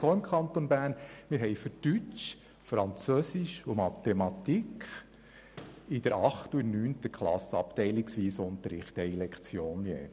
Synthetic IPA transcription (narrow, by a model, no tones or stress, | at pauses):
soɪmkʰɑnt̪ɔnbæːɾnmɪɾɦɛɪfətyt͡ʃ | fɾɑnt͡søːsɪʃumɑt̪ɛmɑt̪ikχ | ɪd̥əɾɑχtunyːnt̪əkχlɑ̰səɑ̰ptɛɪlɪksʋiːsʊnt̪əɾɪχtɛɪlɛkʰt͡sjoːnjḛː